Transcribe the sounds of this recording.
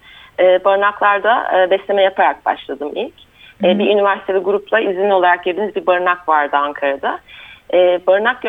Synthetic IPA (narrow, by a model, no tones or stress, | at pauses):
ɛːbaɾɯnaklˠaɾd̪a̰ːbɛslʲe̞mɛjapʰaɾak̚ba̰ʃlˠad̪ɯmilʲc | ɛːbiʔynivæɾsit̪ʰeiɡuɾuplˠaizʲinʲo̞lˠaɾak̚ɟid̪inizbibaɾɯnakvaɾd̪ɯaŋkʰaɾad̪aɛːbaɾɯnak̚ɟ